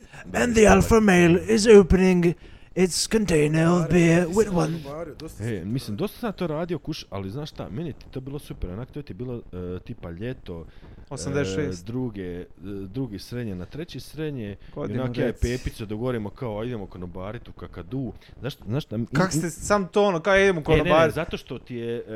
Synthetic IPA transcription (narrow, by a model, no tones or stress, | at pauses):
ɨ̃nðiælˠfəmeɪlˠɪzoʊpənɪ̃ŋ | ɪtskə̃ntẽɪ̃nə˞ʌvbiɹwɪðwʌ̃n | emislimd̪o̞st̪ḁsad̪̚t̪oːɾaːd̪io̞kuʃʔa̰liznaːʃt̪a̰menjet̪i̥t̪oːbiːlˠosupeɾonakt̪ot̪ibiːlot̪iːpaʎet̪o̞oamd̪eed̪ɾuɡed̪ɾuɡesɾed̪ɲenat̪ɾet͡ɕesɾed̪ɲeionakjaepeːpit̪sod̪aɡoʋoɾimokaoaid̪emokonobaːɾit̪ukakad̪uːzaʃt̪znaːʃt̪akakost̪esamt̪oonokaid̪emokononeaːɾzat̪o̞ʃt̪o̞t̪ije